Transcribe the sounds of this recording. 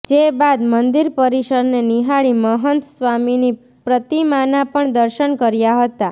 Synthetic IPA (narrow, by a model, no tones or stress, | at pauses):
d͡ʒebad̪mənd̪iɾpəɾiʃəɾneniɦaɭiməɦənt̪sʋamini | pɾət̪imanapəɳd̪əɾʃənkəɾjaɦət̪a